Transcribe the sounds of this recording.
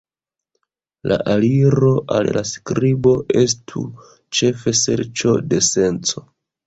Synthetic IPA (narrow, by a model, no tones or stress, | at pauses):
lʔa̰ʔaliɾo̞ʔallaskɾibo̞e̞s̬tʰṵ | t͡ʃe̞fe̞se̞̰ɾt͡ʃo̞de̞se̞nt͡so̞